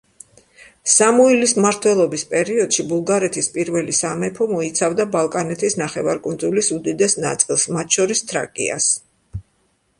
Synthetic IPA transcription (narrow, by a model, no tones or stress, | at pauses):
samuilismaɾt̪ʰwɛlˠɔbispʼɛɾiɔd̪̥ʃibulˠɡaɾɛt̪ʰispʼiɾvɛlisamɛpʰɔmɔit̪sʰavd̪abalˠkʼanɛt̪ʰisnaχɛvaɾkʼund̪zulisud̪id̪ɛsna̰t̪sʼilˠsmat̪ʰʃɔɾist̪ʰɾa̰kʼḭa̰s